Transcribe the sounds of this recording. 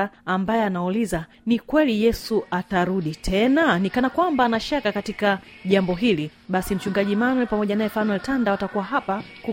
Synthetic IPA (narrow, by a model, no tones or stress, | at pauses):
mbajɛanauliza | nikwɛlijɛsuʔataɾuɗitʰɛnanikanakwambaːnaʃakakatikaʄambɔɦiliɓasim̩t͡ʃuŋɡaʄimanwɛpamɔʄanajɛfanwɛltandawatakuwaɦapaku